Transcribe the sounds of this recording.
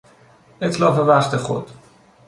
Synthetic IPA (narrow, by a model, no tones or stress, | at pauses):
ʔet̪ʰlɒːfevæχt̪exo̰d̪̥